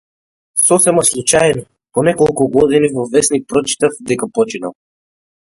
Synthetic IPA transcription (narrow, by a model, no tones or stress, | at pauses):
sɔsɛmaslˠut͡ʃajnɔ | pɔnɛkɔlˠkuɡɔd̪inivɔvɛsnik̚pɾɔt͡ʃi̥t̪afd̪ɛkapɔt͡ʃina̰lˠ